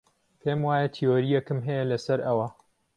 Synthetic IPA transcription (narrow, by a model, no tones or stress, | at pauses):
pʰeːmwaːjɐt̪ʰioːɾijɐkɨmɦɐjɐlɐsɐɾɐwɐ